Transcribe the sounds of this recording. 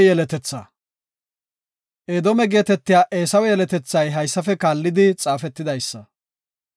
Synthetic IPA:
jɛlɛt̪ɛt͡sːɐ | ʔeːd̪ɔmɛɡe̞ːt̪ɛt̪ːɪjaːʔe̞ːsɐwɛjɛlɛt̪ɛt͡sːɐjɦɐjsːɐfɛkaːlːɪd̪ɪt͡sʼaːfɛt̪ːɪd̪ɐjsːɐ

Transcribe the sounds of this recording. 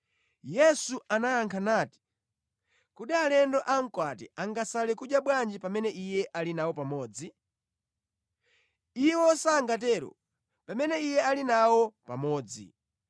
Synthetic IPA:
jɛsuʔanajaŋkʰanaːti̥ | kuɗialɛndɔʔaŋ̩kwatɛʔaŋɡasalɛkud͡ʒjaɓwand͡ʒipamɛnɛʔijɛʔalinawɔpamɔːd͡zi | iwɔsaːŋɡat̬ɛɾɔ̰ | pamɛnɛijɛalinawɔpa̰mɔːd͡zḭ

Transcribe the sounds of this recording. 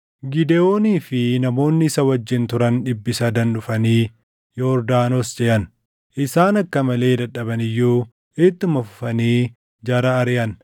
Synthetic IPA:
ɡɪd̪ɛo̞ːniːfɪnɐmo̞ːnːɪɪsɐwɐd͡ʒːɪnt̪ʊɾɐnᶑɪbːɪsɐd̪ɐnᶑʊfɐniː | joɾd̪aːnosd͡ʒɛʔɐn | ʔɪsaːnɐkːɐmɐle̞ːd̪ɐᶑɐbɐnɪjːuː | et̪ːʊmɐfʊ̥fɐniː | d͡ʒɐɾɐːɾɪjɐn

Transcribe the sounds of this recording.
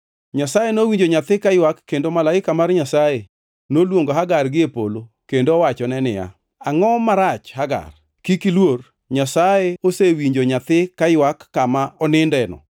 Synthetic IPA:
ɲasajenowiɲd͡ʒoɲat̪ɪkajwakːendomalaɪkamarɲasaje | nolwoŋɡoɦaɡarɡɪepo̰lo | kendoːwat͡ʃɔnɛnɪja̰ | aŋɔmaɾat͡ʃhaɡa̰r | kikilwor | ɲasajeosewiɲd͡ʒoɲat̪ɪkajwakːamaɔnɪndɛnɔ̰

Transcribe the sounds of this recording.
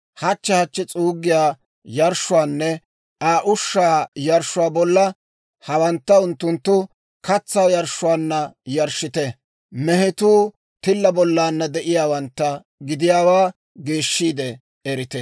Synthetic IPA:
hɐt͡ʃːɛhɐt͡ʃːɛt͡sʼuːɡɪjaː | jɐɾʃːʊwaːnːɛ | ʔaːʔʊʃːaːjɐɾʃʊwaːbɔlːɐ | hɐwɐnt̪ːɐʊnt̪ːʊnt̪ːʊ | kɐt͡sːaːwjɐɾʃːʊwaːnːɐjɐɾʃːɪt̪ɛ | mɛhɛt̪uː | t̪ɪlːɐbɔlːaːnːɐd̪ɛʔɪjaːwɐnt̪ːɐ | ɡɪd̪ɪjaːwaː | ɡeːʃːiːd̪ɛ | ɛɾɪt̪ɛ

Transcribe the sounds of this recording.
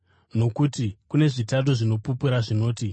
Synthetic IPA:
no̞kutikune̞ʐitat̬oʐino̞pupuɾaʐino̞ːti

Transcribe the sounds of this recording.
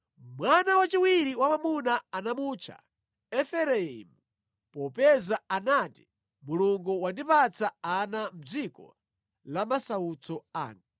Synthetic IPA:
mwanawat͡ʃiwiɾiwamamunaanamuːt͡ʃʰa̰ | ɛfɛɾɛḭmu | pɔpɛzaanati̥ | muluŋɡuwandipat͡saanam̩d͡zikɔ̰ | lamasaut͡sɔa̰ːŋɡa

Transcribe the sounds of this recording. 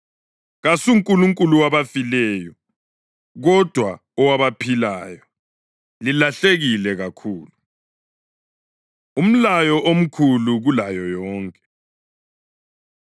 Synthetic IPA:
ɣasuŋkʼuluŋkʼuluwaβafilɛjɔ | ɣɔd̥ʱwa | ɔwaβapʰilaːjɔ | lilaɬeɣilɛɣakʰuːlu | um̩lajɔʔom̩kʰuluɣulajɔjɔːŋkʼɛ

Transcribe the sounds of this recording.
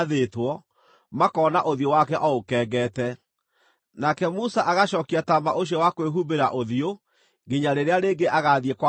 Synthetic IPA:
ðetwɔ | makɔːnaʔoðiowakɛʔɔokɛːɡɛːtɛ | nakɛmusaʔaɣaɕɔːkiatamaʔoɕ̬iɔwakweɦubeɾaʔoðio | ŋɡeɲaɾeɾeaɾeːŋɡeʔaɣaðiɛkwa

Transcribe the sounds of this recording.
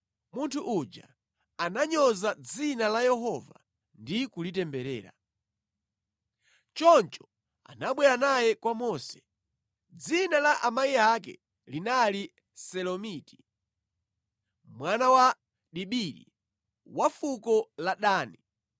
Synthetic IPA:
muntʰuʔud͡ʒa | anaɲɔzad͡zinalajɛɦɔva̰ | ndikulit̬ɛmbɛɾɛ̰ːɾa̰ | t͡ʃɔnt͡ʃɔ̥ | a̰naɓwɛɾanajɛkwamɔːsɛ̥ | d͡zinalaʔamaiakɛ̰ | linali | sɛlɔmiti̥ | mwanawa | ɗiɓiɾḭ | wafukɔlaɗaːni

